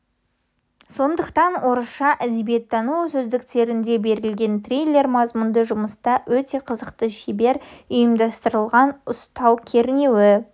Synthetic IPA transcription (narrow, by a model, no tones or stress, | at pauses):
so̞nd̪əqt̪ɑnwo̞ɾəsʃɑʔæd̪ebije̞t̪ːɑnusʏzd̪ɪkt̪e̞ɾɪnd̪e̞be̞ɾɪlɡʲe̞nt̪ʰrʲijlʲe̞ɾmɑzmʊnd̪əʒʊməst̪ɑwɵt̪e̞qʰəzəqt̪əʃibe̞ɾʊjəmd̪ɑst̪əɾəlˠʁɑnʊst̪ɑwkʲʰe̞ɾɪne̞wɪ